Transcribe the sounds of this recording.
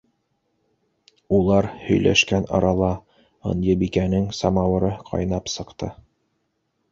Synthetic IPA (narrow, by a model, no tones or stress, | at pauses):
ulˠɑɾhɵ̆jlæ̰ʃkænɑ̰ɾɑlˠɑ | ɤ̰njɤbikænɘŋsɑmɑwɤ̆ɾɤqʰɑ̰jnɑpsɤ̆qt̪ɤ